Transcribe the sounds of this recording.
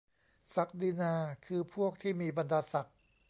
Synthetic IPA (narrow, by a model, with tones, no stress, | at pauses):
sa˨˩k̚diː˧naː˧kʰɯː˧pʰu˥˩ək̚t̪ʰiː˥˩miː˧ba˧ndaː˧sa˨˩k̚